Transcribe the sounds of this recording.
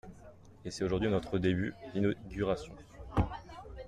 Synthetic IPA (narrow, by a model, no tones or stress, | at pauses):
esɛt̪oʒuʁd̪ɥinɔt̪χəd̪ebyd̪inoɡʲyʁasjɔ̃